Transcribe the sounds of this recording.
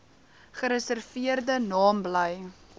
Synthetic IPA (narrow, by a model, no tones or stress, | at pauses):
χəɾəsərviərdənɑːmbləj